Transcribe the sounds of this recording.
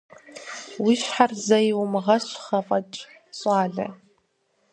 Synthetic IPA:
wiɕħarzɐjwʊmʁɐɕʼχɐfʼɐt͡ʃʼ | ɕʼɑːɮɐ̰

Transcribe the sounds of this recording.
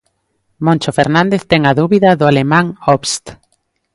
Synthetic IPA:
mõnʲt͡ʃofeɾnãnd̪eθt̪ɛŋɐðuβiðɐðʊalemãŋɔβst̪

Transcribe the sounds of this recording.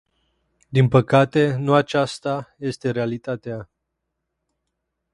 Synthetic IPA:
d̪inpəkat̪e̞nuat͡ʃast̪aje̞st̪e̞ɾealit̪at̪ea

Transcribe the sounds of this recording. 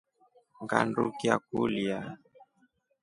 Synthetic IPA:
ŋɡa̰ndukiakulia

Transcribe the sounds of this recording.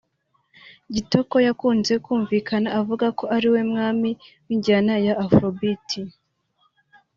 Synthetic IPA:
ɟito̞ko̞jakuːnze̞kuːɱvikʰanaʔavuɡako̞ʔaɾiwe̞mŋaːmiwiɲɟanajaʔːfɾobitʰi

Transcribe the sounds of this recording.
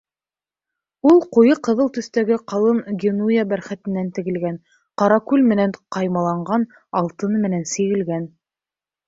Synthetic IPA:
ulˠqujɤqɤ̆ðɤlˠt̪ɵ̆θt̪æɡɘqɑlˠɤnɡʲenujabæɾχæt̪ɘ̆nːænt̪ɘ̆ɡɘ̆lɡæn | qɑɾɑkʉlʲmɘ̆næɴqɑjmɑlˠɑɴɢɑn | ɑlˠt̪ɤnmɘ̆nænsɘ̆ɣɘ̆lɡæn

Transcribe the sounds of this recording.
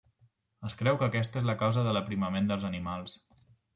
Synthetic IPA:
əskɾɛwkəːkɛs̬t̪əezləkawzəðələpɾiməmend̪əlˠzənimalˠs

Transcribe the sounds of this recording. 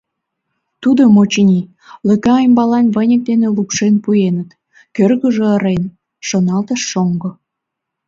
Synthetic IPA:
t̪ud̪omot͡ɕənʲi | ləkɑːjmbɑlɑnβənʲək̚d̪enelukʃenpujenət̪ | kørɣə̆ʒeːɾen | ʃonɑlt̪əʃːoŋɡo

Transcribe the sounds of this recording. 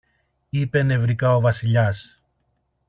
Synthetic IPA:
ipe̞ne̞vɾikɐo̞vɐsiʎɐs

